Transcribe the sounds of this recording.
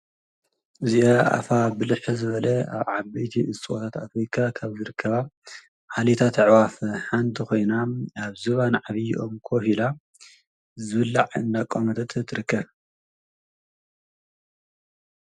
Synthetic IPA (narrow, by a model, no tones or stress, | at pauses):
ʔɨziʔoʔa̰fabɨlɨħzɨβɐlɐa̰βʕabɐjt̪ʰiʔɨst͡sʼwot̪ʰat̪afɾikʰakʰaβzɨɾɨkʰːɐβa | ʕalit̪ʰat̪ʰʕwafħant̪ʰiko̞jnaaβzɨβanʕaβijʔomkʰohila | zɨβɨlːaʕɨ̰nd̪akʼːomɐt̪ʰɐt̪ʰt̪ʰːɨɾɨkʰːɐβ